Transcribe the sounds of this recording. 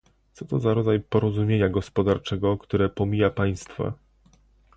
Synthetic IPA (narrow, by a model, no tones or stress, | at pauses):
t̪sɔt̪ɔzaɾɔd̪zajpɔɾɔzumʲjeɲaɡɔspɔd̪aɾt͡ʂɛɡɔkt̪uɾɛpɔmʲijapaj̃st̪fa̰